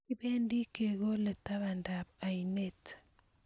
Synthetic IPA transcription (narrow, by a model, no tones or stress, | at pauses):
kibendikeɡolɛt̪aβandabainet